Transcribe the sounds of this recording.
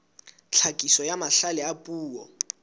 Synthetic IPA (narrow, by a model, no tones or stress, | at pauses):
t͡ɬʰakʼisɔjamaɬalɛapʼuːwɔ